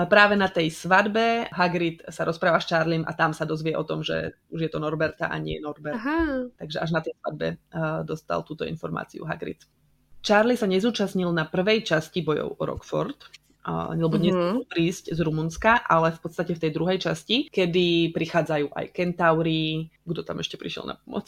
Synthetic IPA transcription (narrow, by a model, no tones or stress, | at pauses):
pɾaːʋɛnat̪ɛjsʋad̪bɛɦaɡɾit̪saɾʔɔspɾaːʋast͡ʃaːɾlimʔa̰t̪amsad̪ɔzʋɪɛʔɔt̪ɔmʒɛ̰ | uʒjɛt̪ɔnɔɾbɛɾt̪a̰ʔa̰ɲɪɛ̰jɛnɔɾbɛɦt̪aɡʒɛʔaʒnat̪ɛjsʋa̰d̪̚bɛ̰d̪ɔst̪a̰lt̪uːt̪ɔḭnfɔɾma̰ːt͡sḭṵɦa̰ɡɾḭt̪ | t͡ʃaːɾlisaɲɛzuːt͡ʃasɲilnapr̩ʋɛjt͡ʃascibɔjɔ̰ʊɔɾɔ̰kfɔ̰ɾt̪ | lɛbɔɲɛzuupɾiːzczɾumunskaʔalɛfpɔt̪t͡st̪acɛft̪ɛjd̪ɾuɦɛjt͡ʃascikɛd̪ipɾixaːd͡zajuːʔa̰jkɛnt̪aʊɾiɡd̪ɔt̪amɛʃcɛpɾiʃɪɛ̰lna̰p̚ɔmɔ̰t͡s